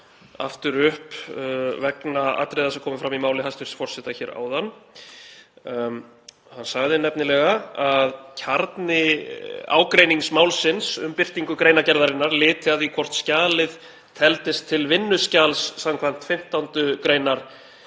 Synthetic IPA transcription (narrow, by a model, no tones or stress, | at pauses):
a̰ft̪ʏɾʏhp | vɛknaa̰t̪ɾejðasɛkʰɔːmʏfɾamimaːwlɪhanst̪vɪɾ̥sfɔr̥sɛt̪açɛːɾa̰ːwðanː | hanːsaɣðɪnɛpnɪlɛɣaaðcʰaɾt̪nɪ | a̰ːwkɾeːjniŋsmawlsɪnsʏ̰mpɪr̥t̪iŋkʏkɾeːjnacɛɾðaɾɪnːaɾlɪːt̪ɪaðikʰvɔr̥t̪scaːlɪð | t̪ʰɛlt̪ɪst̪ʰːɪlvɪnːʏscaːlsːamkʰvam̥t̪fɪm̥t̪awnt̪ʏkɾeːjnaɾ̥